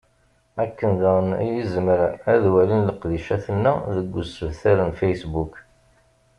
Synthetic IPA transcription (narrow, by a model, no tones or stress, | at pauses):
ækːənðaʁən̰jəzməɾææðwælinləqðiʃæθənːæ̰ðəɡʷːʊsəvθæɾənfejsbuk